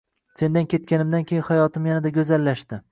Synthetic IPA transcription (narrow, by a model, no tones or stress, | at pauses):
se̞nd̪ankʲʰe̞t̪kʲanɪmd̪ankʲʰejɪnhajɒt̪ʰɪmjanad̪aɡʲɵzalːaʃd̪ɪ